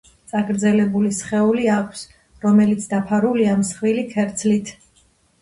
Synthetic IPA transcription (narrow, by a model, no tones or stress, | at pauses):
t̪sʼaɡɾd̪zɛlɛbulisχɛuliakʷʰs | ɾɔmɛlit̪sʰd̪apʰaɾuliamsχwilikʰɛɾt̪sʰlit̪ʰ